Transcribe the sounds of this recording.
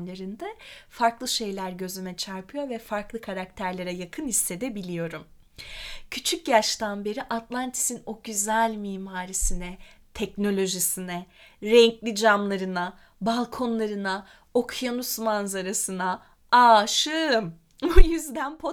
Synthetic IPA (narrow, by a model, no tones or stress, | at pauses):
lʲeɾind̪ɛfaɾklˠɯʃe̞jlʲæɾɟø̞zymɛt͡ʃʰaɾpʰɯjo̞ɾvɛfaɾklˠɯkʰaɾak̚t̪ʰæɾlʲeɾɛjakʰɯnisːe̞d̪ɛbilʲijo̞ɾum | cʰyt͡ʃʰycjaʃt̪anbe̞ɾiʔat̪lˠant̪ʰi̥sino̞ɟyzælʲmiːmaːɾisinɛt̪ʰɛcno̞lʲo̞ʒisinɛɾɛɲclʲid͡ʒamlˠaɾɯna | balˠkʰo̞nlˠaɾɯna | o̞kʰjanusmanzaɾasɯna | aːʃɯm | bujyzd̪ænpʰo